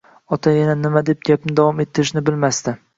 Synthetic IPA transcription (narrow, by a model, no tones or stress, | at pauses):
ɒt̪ʰajananɪmad̪e̞p̚ɡʲapnɪd̪avɒme̞t̪ʰːɪɾɪʃnɪbɪlmast̪ɪ